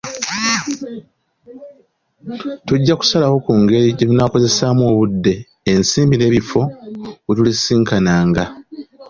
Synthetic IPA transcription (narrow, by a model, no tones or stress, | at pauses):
tuɟːaku̥salawo̞kuŋɡe̞ɾiɟetunaːko̞ze̞saːmuo̞ːβudːe̞ː | nsiːmbine̞ːβifo̞wetulisiːŋkanaːŋɡa